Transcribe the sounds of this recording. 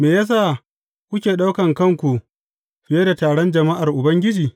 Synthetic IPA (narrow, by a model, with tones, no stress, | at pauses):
meː˨jaː˦s̬aː˦˨ | kʷʊ˦kʲeː˨ɗa˦wkɐ˨ŋkɐ˦˨ŋkʷu˨ | ɸɪ˨je˦da˨taː˨ɽɔ˦nd͡ʒɐ˨ma˦ʔa˨rʔʊ˨bɐ˦ŋɡʲɪ˦d͡ʒiː˨